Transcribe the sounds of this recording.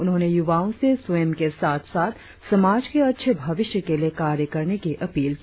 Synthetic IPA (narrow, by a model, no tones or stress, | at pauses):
ʊnɦõːnejʊʋaːõseswmkesaːt̪ʰsaːt̪ʰ | sɐmaːd͡ʒkeɐtːʃʰəbʱɐʋɪʃjəkelijekaːɾjəkɐɾnekiʔɐpiːlki